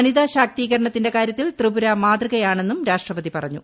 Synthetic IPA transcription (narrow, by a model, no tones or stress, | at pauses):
ɐniðaɕaːk̚t̪iːɣɐɾɐɳɐt̪ːinde̞kaːɾjɐt̪ːilt̪rɨbuɾɐmaːd̪rɨɣɐjaːɳe̞nːumɾaːʂʈrɐʋɐðipɐrɐɲːṵ